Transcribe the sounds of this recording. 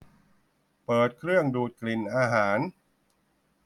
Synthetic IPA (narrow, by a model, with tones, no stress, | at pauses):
pɤː˨˩t̪̚kʰɾɯ˥˩əŋduː˨˩t̪̚kli˨˩nʔaː˧ɦaː˩˦n